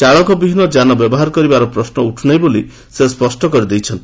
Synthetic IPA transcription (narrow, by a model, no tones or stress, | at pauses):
t͡ʃaɭɔkɔbibʱinɔd͡ʒanɔbjɔbɔɦaɾɔkɔɾibaɾɔpɾɔsnɔuʈʰunajboli | sespɔsʈɔkɔɾid̪ejt͡ʃʰɔnt̪